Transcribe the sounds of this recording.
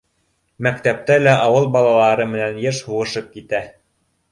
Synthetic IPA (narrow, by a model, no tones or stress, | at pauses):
mækt̪æp̚t̪ælæʔɑwɤlˠbɑlˠɑlˠɑɾɤmɘ̆nænjɤɾʃhuʁɤ̆ʃɤp̚kit̪æ